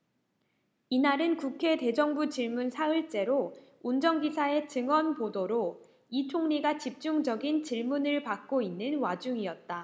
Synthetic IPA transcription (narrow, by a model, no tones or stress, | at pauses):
inaɾɯnkukʰe̞te̞d͡ʑʌŋbut͡ɕiɭmunsʰaɯɭt͡ɕ͈e̞ɾo | und͡ʑʌŋɡisʰae̞t͡ɕɯŋwʌnpodoɾo | it͡ɕʰoŋɲiɡat͡ɕip̚t͡ɕ͈uŋd͡ʑʌɡint͡ɕiɭmunɯɭpak̚k͈oinːɯnwad͡ʑuŋiʌt̚t͈a